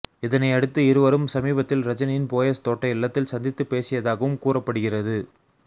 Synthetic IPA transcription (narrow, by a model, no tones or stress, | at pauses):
ɪðɐnɐɪɐɽɯt̪ːɯɪɾɯʋɐɾɯmsɐmiːbɐt̪ːɪlɾɐd͡ʒɐnɪnpoːjɐst̪oːʈːɐɪɪɭːɐt̪ːɪlsɐnd̪ɪt̪ːɯpːeːsɪjɐðaːɣɐʋɯmkuːrɐpːɐɽɯɣɪrɐðɯ